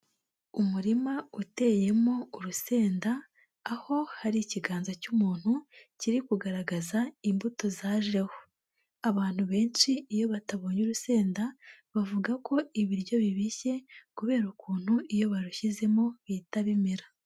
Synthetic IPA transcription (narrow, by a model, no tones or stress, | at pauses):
umuɾimaute̞ːje̞mo̞uɾuse̞ːndaː | ho̞haɾiciɡaːnzacumuːn̥huciɾikuɡaɾaɡazaimbuto̞zaːʒɾeho̥ | aβaːn̥huβe̞ːnʃiːjo̞βataβo̞ɲuɾuse̞ːndaβavuɡako̞iβiɾɟo̞βiβiçe̞kuβe̞ːɾukuːn̥huijo̞βaɾuçize̞mo̞βiːtaβimiɾa